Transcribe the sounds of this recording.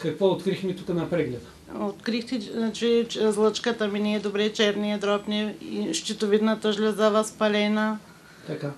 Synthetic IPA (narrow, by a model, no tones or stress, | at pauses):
kɐkvɔot̪̚kɾixmit̪ukɐnɐpɾɛɡlɛt̪ | ot̪kɾixt̪ɛat͡ʃizlˠət͡ʃkat̪aminɛɛd̪obɾɛt͡ʃɛɾniɛd̪ɾɔpnɛiʃt͡ʃ̪it̪ovid̪nat̪aʒlʲɛzavaspɐlɛna | t̪aka